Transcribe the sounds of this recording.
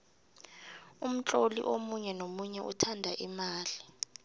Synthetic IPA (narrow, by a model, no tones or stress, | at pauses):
um̩t͡ɬʼolḭʔomuɲɛnomuɲɛʔutʰandʱaʔimaːli